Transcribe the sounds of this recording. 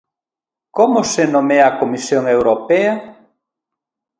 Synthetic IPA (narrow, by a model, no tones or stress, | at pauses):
komʊsenõmɛɐkomisjoŋewɾopɛɐ